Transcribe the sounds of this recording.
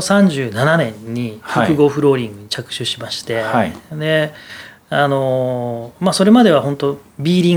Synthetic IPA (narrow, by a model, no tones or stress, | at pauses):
sãɲ̟d͡ʑɨːnananẽ̞ɲːihokɯ̟ɡo̞ːɸɯ̟ɾo̞ːɾʲĩŋɡɯ̟ɲ̟it͡ɕakɯ̟̥ɕɨɕimaɕi̥t̪e̞haid̪e̞ | ano̞ | maso̞ɾe̞mad̪e̞βahõ̞nt̪o̞bʲiːɾʲĩ